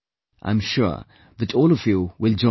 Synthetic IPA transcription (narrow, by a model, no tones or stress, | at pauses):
ʔã̰ɪ̃mʃʊ̰ɹ | ðɨtʰɔlˠʌvjuwɪlˠd͡ʒɔ̃